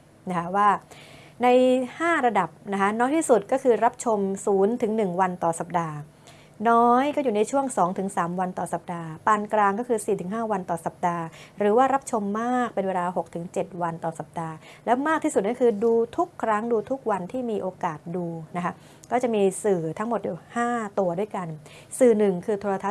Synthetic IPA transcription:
na˦˥kʰa˦˥waː˥˩na˧jhaː˥˩ɾa˧da˨˩p̚na˦˥kʰa˦˥nɔː˦˥jt̪ʰiː˥˩su˨˩t̪̚kɔː˥˩kʰɯː˧ɾa˦˥p̚t͡ɕʰo˧msuː˩˦nt̪ʰɯ˩˦ŋnɯ˨˩ŋwa˧nt̪ɔː˨˩sa˨˩p̚daː˧ | nɔː˦˥jkɔː˥˩juː˨˩na˧jt͡ɕʰu˥˩əŋsɔː˩˦ŋt̪ʰɯ˩˦ŋsaː˩˦mwa˧nt̪ɔː˨˩sa˨˩p̚daː˧paː˧nklaː˧ŋkɔː˥˩kʰɯː˧siː˨˩t̪ʰɯ˩˦ŋɦaː˥˩wa˧nt̪ɔː˨˩sa˨˩p̚daː˧ɾɯː˩˦waː˥˩ɾa˦˥p̚t͡ɕʰo˧mːaː˥˩k̚pe˧nweː˧laː˧ɦo˨˩k̚t̪ʰɯ˩˦ŋt͡ɕe˨˩t̪̚wa˧nt̪ɔː˨˩sa˨˩p̚daː˧ | lɛ˦˥wmaː˥˩k̚t̪ʰiː˥˩u˨˩t̪̚na˥˩kʰɯː˧duː˧t̪ʰu˦˥kʰːɾa˦˥ŋduː˧t̪ʰu˦˥k̚wa˧nt̪ʰiː˥˩miː˧ʔoː˧kaː˨˩t̪̚duː˧na˦˥kʰa˦˥ | kɔː˥˩t͡ɕa˨˩ʔmiː˧sɯː˨˩t̪ʰa˦˥ŋmo˨˩t̪̚jhaː˥˩t̪u˧ɐdu˥˩jka˧n | sɯː˨˩nɯ˨˩ŋkʰɯː˧t̪ʰoː˧la˧t̪ʰa˦˥

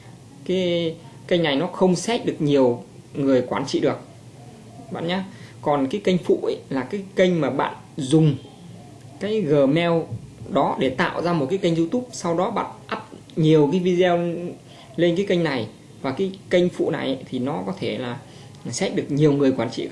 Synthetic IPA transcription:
kaː˨˦j | kə˧ŋ̟na˨˩jnɔ˨˦xə˧wŋ͡msɛ˦˥t̚ɗɨ˨˩ək̚ɲi˨˩əw | ŋɨ˨˩əjkwaː˧˩nt͡ɕḭ˧˨ɗɨ˨˩ək̚ | ɓa̰ː˧˨nɲaː˨˦kɔ˨˩nkaː˨˦jkə˧jŋ̟fṵ˧˨ʔə˨˦laː˨˩kaː˨˦jkə˧jŋ̟maː˨˩ɓa̰ː˧˨n | zʊ˨˩ŋ͡m | kaː˨˦jɣəː˨˩mɛ˧wɗɔ˨˦ɗe˧˩t̪a̰ː˧˨wzaː˧mo˨˩t̚kaː˨˦kə˧ŋ̟zu˧t̪u˦˥p̚sa˧wɗɔ˨˦ɓa̰ː˧˨nʔa˦˥p̚ | ɲi˨˩əwkaː˨˦jvi˧zɛ˧w | le˧nkaː˨˦jkə˧ŋ̟na˨˩j | vaː˨˩kaː˨˦jkə˧jŋ̟fṵ˧˨na̰˨˩jt̪ʰi˨˩nɔ˨˦kɔ˨˦t̪ʰe˧˩laː˨˩ | sɛ˦˥t̚ɗɨ˨˩ək̚ɲi˨˩əwŋɨ˨˩əjkwaː˧˩nt͡ɕḭ˧˨

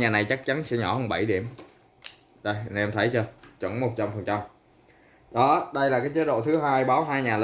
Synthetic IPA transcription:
ɲaː˨˩na˨˩jt͡ɕa˦˥k̚t͡ɕa˨˦nsɛ̰˧˥ɲɔ̰˧˩ɦə˧˩ŋ͡mɓa˧˩jɗi˧˩əm | ɗə˧˩jʔɛ˧mt̪ʰə˨˦jt͡ɕəː˧t͡ɕwə̰˧˩ŋmo˨˩t̚t͡ɕa˧mfə˨˩nt͡ɕa˧m | ɗɔ˨˦ɗə˧jlaː˨˩kaː˨˦jt͡ɕə˨˦˥ɗo̰˧˨t̪ʰɨ˨˦ɦaː˧jɓaː˨˦wɦaː˧jɲaː˨˩l

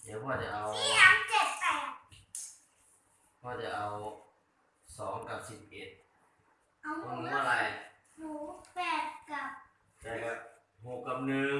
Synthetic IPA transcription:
jɛ˧˦kɔː˧˩t͡ɕa˨˩ʔa˧wːʔa˧˥wt͡ɕe˨˩t̪̚pɛː˨˩t̪̚ | kʰɔː˧˩t͡ɕa˨˧˩ʔa˧w | sɔː˩˦ŋka˨˩p̚si˨˩p̚t͡ɕe˨˩t̪̚ | ʔa˧wo˧˨˧a˧la˧˩j | muː˨˩˦pɛː˨˩t̪̚ka˧˩p̚ | t͡ɕa˧˩ka˧˩p̚ | ho˨˧˩kːa˨˩p̚nɯ˨˧ŋ

